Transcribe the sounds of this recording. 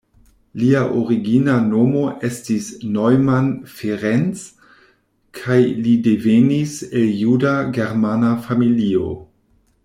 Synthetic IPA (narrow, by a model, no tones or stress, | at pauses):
liaʔoɾiɡinano̞mo̞ʔe̞stisnojmanfeɾent͡s | kʰajlide̞venise̞ljudaɡe̞ɾmanafamilio̞̰